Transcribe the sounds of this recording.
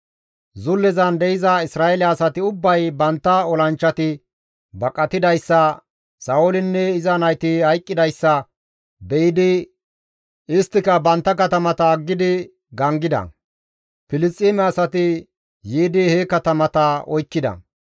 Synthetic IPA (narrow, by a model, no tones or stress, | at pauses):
zʊlːɛzɐnd̪ɛɪzɐɪsɾaːɛlɐːsɐt̪ɪʊbːɐjbɐnt̪ːɐɔlɐnt͡ʃːɐt̪ɪ | bɐkʼːɐt̪ɪd̪ɐjsːɐ | sɐːʊlɪnːɛɪzɐnɐjt̪ɪhɐjkʼːɪd̪ɐjsːɐ | bɛjɪd̪ɪ | ɪst̪ːɪkɐbɐnt̪ːɐkɐt̪ɐmɐt̪ɐːɡːɪd̪ɪ | ɡɐŋɡɪd̪ɐ̰ | pɪlɪst̪ʼiːmɛɐsɐt̪ɪ | jiːd̪ɪhɛkɐt̪ɐmɐt̪ɐɔjkːɪd̪ɐ̰